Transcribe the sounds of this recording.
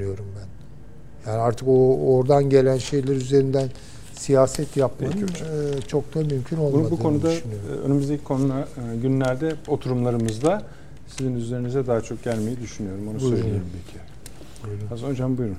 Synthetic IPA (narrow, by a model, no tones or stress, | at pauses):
nyjo̞ɾumbæn | jaːniaɾt̪ʰɯko̞ːɾd̪anɟe̞lʲænʃe̞jlʲæɾyze̞ɾind̪æn | sijaːsɛt̪japmaɯt͡ʃʰo̞k̚t̪amymcʰyno̞lˠunadbukʰo̞nud̪aynyjoɾø̰nemyzd̪ecʰikʰo̞nunaɟynlʲæɾd̪ɛo̞t̪ʰuɾumlˠaɾɯmɯzd̪a | sizinyzle̞ɾinizɛd̪aːat͡ʃʰo̞k̚ɟælʲme̞jɛd̪yʃynyjo̞ɾumo̞nuusøɾeoɾumpʰecʰi̥ | bujɾuasond͡ʒambujɾun